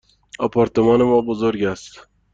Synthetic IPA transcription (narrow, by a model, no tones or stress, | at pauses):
ɔpʰɑɾt̪emɒːnemɔːbozoɾɡæst̪